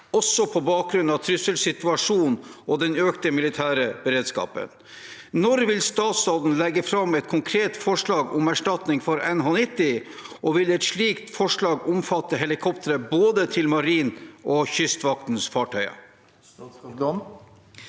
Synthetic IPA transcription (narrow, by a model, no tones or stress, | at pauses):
ɔsɔpʰɔbɑːk̚ɡɾʉnɑt̪ʰɾʏsəlsɪt̪ʉɑʂuːnʔɔd̪ɛnøːkt̪əmɪlɪt̪ʰæːɾəb̥əɾeːd̪skɑ̰ːpə̰n | nɔɾʋɪlst̪ɑːt̪sɑːd̪n̩lɛɡːəfɾɑmɛt̪̚kʰʊŋkʰɾeːt̪fɔʂɭɑːɡʊmæʂʈɑt̪nɪŋfɔɾɛnhoːnɪt̪ːɪ | ʔɔʋɪlɛt̪ʂɭiːkt̪fɔʂɭɑːɡʊmfɑt̪ːəɦɛlɪkʰɔpt̪əɾəboːd̪ət̪ʰɪlmɑɾiːnʔɔçʏst̪ʋɑk̚t̪n̩sfɑːʈʰœʏɑ̰